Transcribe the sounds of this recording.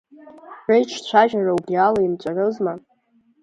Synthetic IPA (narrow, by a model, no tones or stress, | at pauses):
rejʈ͡ʂʰt͡ɕʷʰaʒaraubrialaimt͡ʃʷʼarɨzma